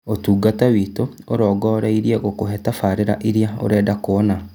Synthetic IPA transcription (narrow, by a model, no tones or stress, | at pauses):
otuːɡatawiːto | oɾɔːɡɔːɾaiɾieɣokoɦɛtafaɾeɾa̰ʔiɾjao̰ɾɛːdakoɔna